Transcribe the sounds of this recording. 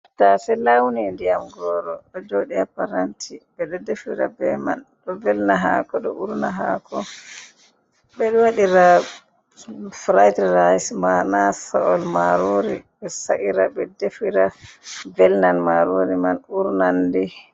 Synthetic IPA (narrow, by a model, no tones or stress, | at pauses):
tasɛlawnindijamɡɔɾɔɗɔd͡ʒoɗiapaɾantʰibɛɗɔdefiɾa̰bɛ̰ma̰nɗɔvɛlnaɦa̰kɔɗɔ̰ʔuɾnaɦakʰɔ | ɓɛɗɔwaɗiɾa | fɾajtɾajsmanasaɔlmaɾoɾiɓɛsa̰ʔiɾaɓɛdefiɾavɛlnanmaɾoɾimanuɾnandi